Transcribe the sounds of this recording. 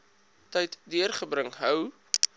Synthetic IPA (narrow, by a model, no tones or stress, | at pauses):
tɛjtdiərχəbɾəŋɦœw